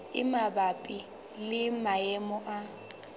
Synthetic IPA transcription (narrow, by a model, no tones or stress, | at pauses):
ɪ̰mabapʼi | lɪmaɛmɔʔa